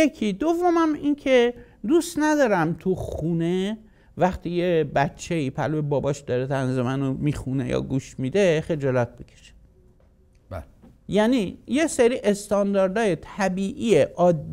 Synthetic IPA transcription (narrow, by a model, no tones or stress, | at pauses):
jekʰiːd̪ovːomæmincʰe̞ | d̪ust̪næd̪ɒːɾæmt̪ʰuxune̞ | væχt̪ʰiːjebæt̪t͡ʃʰːe̞iːpʰæ̰lbebɒːbɒʃd̪ɒɾet̪ʰænzemænomixunḛjɒ̰ːɡuʃmid̪e̞χe̞d͡ʒɒlɒt̪̚becʰʲe̥ʃe̥ | jænijeseɾiːʔest̪ɒnd̪ɒɾd̪ɒːjet̪ʰæbiːʔieʔɒːd̪ː